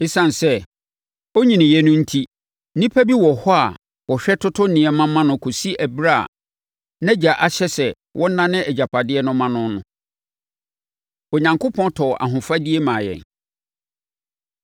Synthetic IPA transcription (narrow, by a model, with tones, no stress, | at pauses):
e˦sã˨n˨sɛ˦ | o˦ɲĩ˨nɪ̃˨jɛ˦nʊ̃˦n̩˦tʰi˦ | nĩ˦pʰæ˦bi˦wɔ˨hɔ˦a˨ | wɔ˨ɕᶣɛ˦tʰʊ˦tʰʊ˦nĩ˨ɛ˨mã˦mã˦nʊ̃˦kʰo˨si˦ʔæ˨bɾa̰˦˨ | nɛ̃˦d͡ʑa˨ʔa˨ɕɛ˦sɛ˨ | wʔɔ̃˦n̩˦nã˦nɪ̃˦ʔɛ˨d͡ʑa˨pʰa˨dɪ˦ɛ˦nʊ̃˦mã˦nʊ̃˦nʊ̰̃˦ | o˨ɲã˨ŋkʰo˦pʰɔ̃˦ntʰɔ˨ʔa̰˨ɦʊ̃˨fa˦di˦e˦mã˨jɛ̰˨n